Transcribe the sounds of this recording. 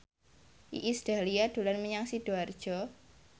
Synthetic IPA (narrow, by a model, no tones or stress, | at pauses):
ʔḭʔisd̥aliad̥o̤lanməɲaŋsid̥oard̥ʒ̥ɔ